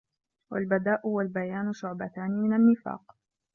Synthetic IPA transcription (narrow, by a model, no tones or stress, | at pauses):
walbad̪aːʔhʊwalbajaːnʊʃʊʕbat̪aːnɪmɪnanːɪfa̰ːq